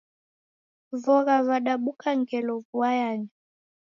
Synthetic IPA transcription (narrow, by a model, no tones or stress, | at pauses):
vɔɣavaɗaɓukʰaŋɡɛlɔvuajaɲa